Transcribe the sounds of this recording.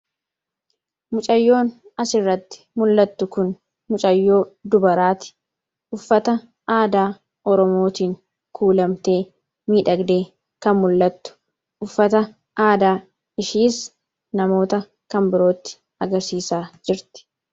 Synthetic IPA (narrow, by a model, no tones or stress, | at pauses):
mʊt͡ʃʼɐjːo̞ːnɐsɪrːɐt̪ːɪ̥mʊlːɐt̪ːʊkʊn | mʊt͡ʃʼɐjːo̞ːd̪ʊbɐɾaːt̪ɪ̥ | ʔʊfːɐt̪ɐ | ʔaːd̪aː | ɔɾɔmo̞ːt̪iːŋ | kʰuːlɐmt̪e̞ː | miːᶑɐɡd̪e̞ː | kɐnmʊlːɐt̪ːʊ̥ | ʔʊfːɐt̪ɐ | ʔaːd̪aː | ɪʃiːs | nɐmo̞ːt̪ɐ | kɐmbɪɾo̞ːt̪ːɪ̥ | ɐɡɐɾsiːsaːd͡ʒɪɾt̪ɪ̥